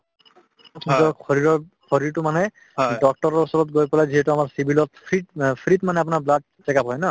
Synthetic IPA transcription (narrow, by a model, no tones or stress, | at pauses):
itɔkʰɔɹiɹɔɹkʰɔɹiɹtʊmanɛ | dɔk̚tɔɹɔɹɔsɔɹɔtɡojpɔlajziɦɛtʊamaɹsibilɔtpʰɹipʰɹitmanɛap̬ʊnaɹblad̚ | sɛkapɦɔjna